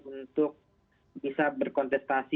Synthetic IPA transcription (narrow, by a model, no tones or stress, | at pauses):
unt̪ʊk̚ | bisabərkɔnt̪ɛst̪asi